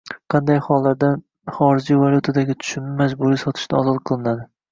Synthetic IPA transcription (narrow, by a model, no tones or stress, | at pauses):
qʰɑnd̪ajχɒlˠːaɾd̪an | χɒɾɪd͡ʒijvalʲˠjut̪ʰad̪aɡʲɪt̪ʰʊ̥ʃɪnmad͡ʒbuɾijsɒt̪ʰɪ̥ʃd̪aɒzɒlˠqʰɨlˠɪnad̪ɪ